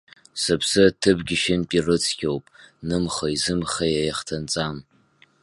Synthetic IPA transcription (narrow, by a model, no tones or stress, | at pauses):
sɨpʰsɨtʰɨbɡʲɪʃɪnpʼirɨt͡sʰkʲʰʼowpʼnɨmχaizɨmχajajaχtʰant͡sʼam